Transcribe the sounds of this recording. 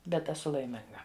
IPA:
ˈbʲɛt ɛˈsʊ lˠɐɪˈmʲɪŋɡɐ

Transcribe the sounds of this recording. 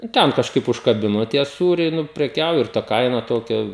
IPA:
ɪ ˈtʲɛn kɐʃˈkɐɪp ʊʃkɐˈbʲɪnoː tʲiɛ ˈsuːrʲɛɪ ˈnʊ pʲrʲɛˈkʲɛʊjɪ ɪr tɐ ˈkɐɪnɐ ˈtoːkʲɛ

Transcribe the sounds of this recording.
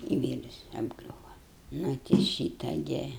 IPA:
ɪ ˈʋʲiːrs ɐbˈɡrʲuːʋɐ ˈnʊ tʲɪ ˈʃʲiːtɐ ˈɡʲɪ

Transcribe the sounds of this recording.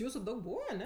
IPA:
ˈjuːsʊ ˈdɐʊk ˈbuːʋɐ ɐˈnʲɛ

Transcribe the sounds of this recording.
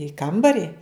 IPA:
ɪ ˈkɐmbɐrʲɪ

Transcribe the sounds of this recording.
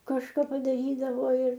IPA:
kɐʃˈkɐ pɐdɐˈrʲiːdɐʋoː ɪr

